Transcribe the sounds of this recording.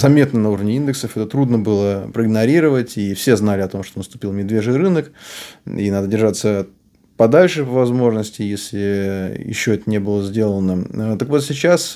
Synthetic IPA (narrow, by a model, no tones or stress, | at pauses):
zɐvmʲe̞t̪nənɐuɾəvnʲɪind̪ɨksəfɛt̪ət̪ɾud̪nəbɨlˠəpɾəɪɡnɐɾʲiɾəvətʲifsʲe̞znalʲɪɐt̪o̞mʂt̪onəst̪ʊ̥pʲilˠmʲɪd̪vʲeʐɨɾɨnək | ḭnad̪ədʲɪrʐat̪sə | pɐd̪alʲʂɨvvɐzmo̞ʐnəsʲtʲɪjesʲlʲɪjɪ̰ɕːoɛt̪ənʲe̞bɨlˠəzʲdʲe̞lˠənət̪əkvo̞t̪sʲɪt͡ɕas